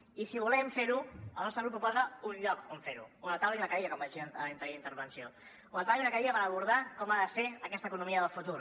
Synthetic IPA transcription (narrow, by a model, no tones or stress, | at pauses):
isiβulɛmfeɾuəlˠnɔst̪ɾəɣɾupupɔzəunʎɔkoɱfeɾṵunat̪awliunɐəkaeʎəkɔmbaʒiəəlint̪əɾiint̪əɾβənsio | unat̪aβliunəkaiʎəpəɾəβuɾðakɔmaðəseəkɛsəkunumiəðəlˠfut̪uɾ